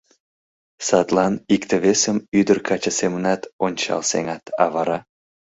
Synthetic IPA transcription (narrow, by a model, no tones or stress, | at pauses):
sɑt̪lɑnikt̪əβesəmyd̪ərkʰɑt͡ɕəsemənɑt̪onʲt͡ɕɑ̰lsḛŋɑt̪ɑ̰βɑɾɑ